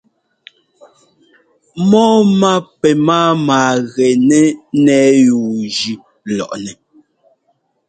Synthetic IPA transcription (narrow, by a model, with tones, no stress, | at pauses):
mɔː˦ma˦pɛ˨maː˦maː˨ɣɛ˨nɛ˦nɛː˦juː˨d͡ʒi˨ | lɔ̰˨ʔnɛ˨